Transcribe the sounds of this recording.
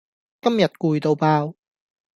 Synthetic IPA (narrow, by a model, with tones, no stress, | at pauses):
kɐ˥mjɐ˨t̚kuː˨˧jt̪o˧wpaː˧w